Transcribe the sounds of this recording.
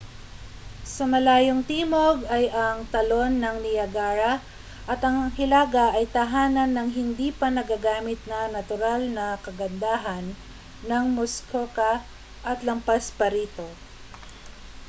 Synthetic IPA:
sɐmɐlaːjoŋt̪iːmoɡɐjʔɐŋt̪ɐlo̞nːɐŋlɪjɐɡaːɾɐ | ʔɐt̪ɐŋɐŋhɪlaːɡɐʔɐjt̪ɐɦaːnɐnːɐŋɦɪnd̪iːpɐnɐɡaɡaːmɪt̪̚nɐnɐt̪ʊɾalnɐkɐɡɐnd̪aːɦɐnː | ɐŋmoskʰokɐ | ʔɐt̪lɐmpaspɐɾiːt̪o̞

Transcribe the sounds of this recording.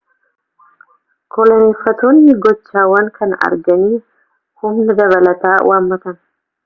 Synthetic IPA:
kɔlɐneːfːɐt̪oːnːɪɡɔt͡ʃːaːwɐŋkʰɐnɐ̰ɾɡɐniː | hʊmnɐd̪ɐβɐlɐt̪aːwʔaːmːɐt̪ɐn

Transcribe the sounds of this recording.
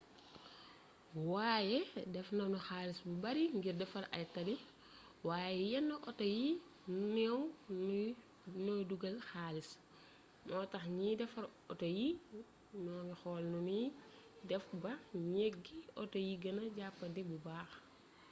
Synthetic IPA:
waːjɛdɛfnɐnɔxaːlisbubɐɾiŋɡirdɛfɐɾʔɐ̰jtɐli | waːjɛjɛnːəʔɔtɐji | nunɛw | noduɡɐlxaːlis | nɔːtɐxɲidɛfɐɾɔtoji | nɔːnixɔːlnuni | dɛfbɐɲɛɡiɔtojiɡɐnɐɟapːɐdibubaːx

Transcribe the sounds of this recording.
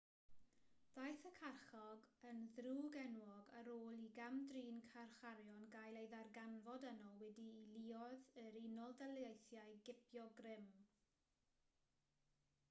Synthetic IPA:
d̥ajθəkʰarχɔɡənðruːɡɛnwɔɡa̰ɾoːlˠiɡamdriːnkʰarχaɾjɔnɡajlˠejðarɡanvɔdənɔwɛdiːlˠiɔðəɾinɔlˠdalˠejθjajɡɪpʰjɔɡrɪm

